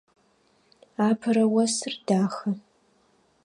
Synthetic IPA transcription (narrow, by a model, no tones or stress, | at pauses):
aːpʰɨɾɐwɐsɨrdaːxɐ